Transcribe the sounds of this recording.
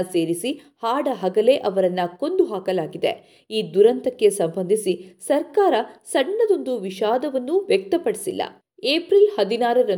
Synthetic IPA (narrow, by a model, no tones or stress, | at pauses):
se̞ːɾisi | haːɖɐɦɐɡɐle̞ʔɐʋɐɾɐnːɐko̞nd̪uɦaːkɐlaːɡid̪ḛ | iːd̪uɾɐnt̪ɐkːe̞sɐmbɐnd̪ʱisisɐɾkaːɾɐsɐɳːɐd̪o̞nd̪uʋiʃaːd̪ɐʋɐnːuʋjɛk̚t̪ɐpɐɽisilːɐ̰ | eːpɾilhɐd̪inaːɾɐɾɐ